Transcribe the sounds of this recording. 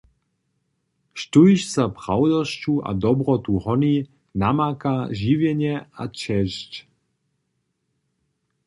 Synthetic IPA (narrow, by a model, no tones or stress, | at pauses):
ʃtujʃsapɾawd̪ɔʃcuʔa̰d̪ɔbɾɔt̪uhɔni | namakaʒivjɛɲɛat͡ʃɛʃc